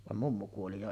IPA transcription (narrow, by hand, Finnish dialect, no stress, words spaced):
ʋɑm mumːu kuoli jo